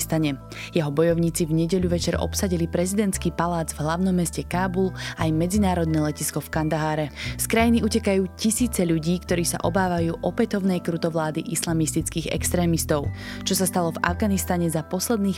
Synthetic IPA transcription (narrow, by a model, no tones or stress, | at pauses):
st̪aɲɛ | jɛɦɔbɔjɔʊɲiːt͡sivɲɛɟɛʎuʋɛt͡ʃɛɾɔ̰psaɟilipɾɛzid̪ɛnt̪skiːpalaːd͡zvɦlaʊnɔmːɛscɛkaːbulajmɛd͡zinaːɾɔd̪nɛːlɛciskɔfkand̪aɦaːɾɛskɾajiniucɛkajuːcisiːt͡sɛʎuɟiːkt̪ɔɾiːsa̰ʔɔbaːʋajuːʔɔpɛt̪ɔʊnɛjkɾut̪ɔʋlaːd̪iʔislamist̪it͡skiːɣɛ̰kst̪ɾɛːmist̪ɔʊt͡ʃɔsast̪alɔva̰vɡanist̪aɲɛzapɔslɛd̪niːx